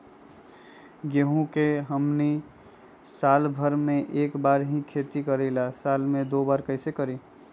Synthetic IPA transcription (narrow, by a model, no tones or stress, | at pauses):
ɡeɦũkeɦəmni | salbʱəɾmeʔekbaɾɦĩkʰet̪ikəɾɛɪlasalmẽd̪obaɾkəɪsekəɾi